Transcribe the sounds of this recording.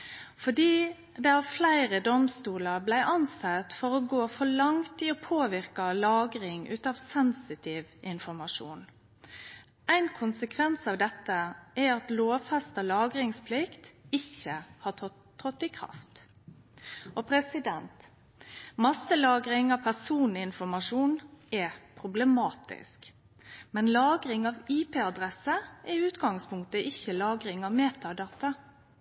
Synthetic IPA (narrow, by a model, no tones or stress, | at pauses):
fɔɖiː | d̪ɛɑʋflæɪɾəd̪ɔmst̪uːləɾblæɪʔɑnsɛt̪fɔɾɔɡoːfɔɭɑŋt̪iɔpʰoːʋɪɾkɑlɑːɡɾɪŋʉ̰ːt̪ɑːʋsɛnsɪt̪ʰɪʋʔɪnfɔɾmɑʂṵːn | ʔæɪnkʰʊnsəkʰʋɛnsɑːʋd̪ɛt̪ːəʔɛɑt̪loːʋfɛst̪əlɑːɡɾɪŋspʰlɪkt̪ɪçːəhɑtʰɔ | ʁɔt̪ːɪkʰɾɑ̰ft̪ | ɔpʰɾɛsɪd̪ɛnt̪ | mɑsːəlɑːɡɾɪŋɑʋpʰæsuːnlɪɪnfɔmɑʂuːnɛpʰɾʊblɛmɑːt̪ɪ̰sk | mɛnlɑːɡɾɪŋɑʋiːpʰeːɑd̪ɾɛsəʔɛʉːt̪ɡɑŋspʰʊŋkt̪əʔɪçːəlɑːɡɾɪŋɑʋmeːt̪ɑd̪ɑːt̪ɑ